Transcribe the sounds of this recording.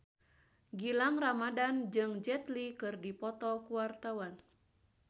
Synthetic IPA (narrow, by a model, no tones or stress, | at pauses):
ɡilaŋramadand͡ʒɨŋd͡ʒɛt̪likɨrdipɔt̪ɔkuwart̪awan